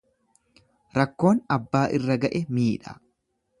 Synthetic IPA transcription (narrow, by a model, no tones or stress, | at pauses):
ɾɐkːo̞ːnɐbːaːʔɪrːɐɡɐʔɛmiːᶑɐ̰